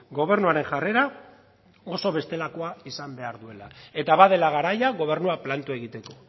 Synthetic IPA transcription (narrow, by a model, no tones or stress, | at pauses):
ɡo̞β̞e̞ɾnuaɾe̞ŋʝare̞ɾa | o̞so̞β̞e̞st̪e̞lako̞aisambe̞aɾðue̞lae̞t̪aβaðe̞laɣ̞aɾajaɣo̞β̞e̞ɾnuaplant̪ue̞ɣit̪e̞ko̞̥